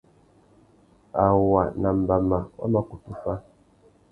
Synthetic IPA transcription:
a˨wa˨na˨m̩˨ba˨ma˨wa̰˦ma˨ku˨tu˦fa˦

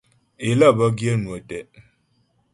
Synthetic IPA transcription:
e˨lə˦˨bə˦ɡjə˦nwə˨tɛ˨

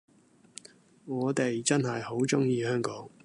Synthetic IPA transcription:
ŋɔː˨˧t̪e˨jt͡sɐ˥nɦɐ˨jho˨˥wt͡sʊ˥ŋjiː˨˧hœː˥ŋkɔː˨˥ŋ

